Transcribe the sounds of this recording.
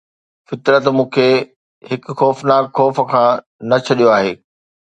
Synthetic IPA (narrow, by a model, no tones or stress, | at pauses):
fɪt̪ɾət̪mũːkʰeː | ɦɪkʊ̆xɔːfnaːkxɔːfə̆kʰãː | nɐt͡ɕʰɐɗijoaːɦḛː